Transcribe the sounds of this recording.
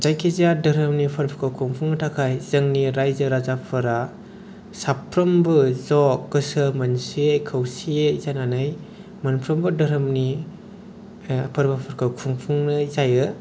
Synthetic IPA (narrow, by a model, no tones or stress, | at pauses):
zajkʰizijadɯɾɯmnipʰɐɾpʰəkʰawkʰuŋpʰuŋnɐtʰakʰajzɯŋniɾajzɯɾazapʰɯɾa | sapʰɾɐmbɯzɔkɡɯsɯmɐnsiekʰəwsiezananɯj | manpʰɾɐmbɯdɐɾɯmni | pʰɯɾbapʰɯɾkʰawkʰuŋpʰuŋnɯzajɯ